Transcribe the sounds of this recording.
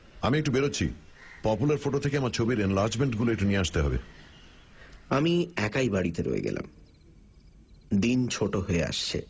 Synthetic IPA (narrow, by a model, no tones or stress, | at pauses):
amiekʈːubeɾoːt͡ɕʰḭ | pɔpulaɾfoʈot̪ʰekeamaɾt͡ɕʰobiɾenlaɾd͡ʑmeɳʈɡuloek̚ʈunieaʃt̪eɦɔbḛ | amiɛkajbaɽit̪eɾo̰ḛɡɛ̰la̰m | d̪int͡ɕʰoʈoɦoea̰ʃt͡ɕʰḛ